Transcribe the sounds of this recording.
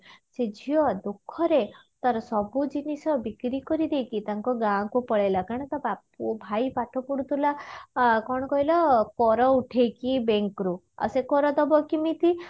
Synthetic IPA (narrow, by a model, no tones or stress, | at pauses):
sed͡ʒʱijɔd̪ukʰːɔɾe | t̪aɾɔsɔbud͡ʒinisɔbikɾikɔɾid̪ejkit̪aŋkɔɡãɔ̃kupɔɭelakaɽ̃ɔt̪abapubʱajpaʈʰɔpuɽut̪ʰulakɔɽ̃ɔkɔɦilɔkɔɾɔuʈʰejkibeŋkɾu | a̰sekɔɾɔd̪ɔbɔkimit̪i